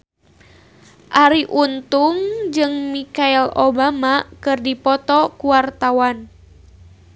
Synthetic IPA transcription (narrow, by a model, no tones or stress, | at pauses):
ʔaɾiʔunt̪uŋd͡ʒɨŋmikailobamakɨrdipɔt̪ɔkuwart̪awan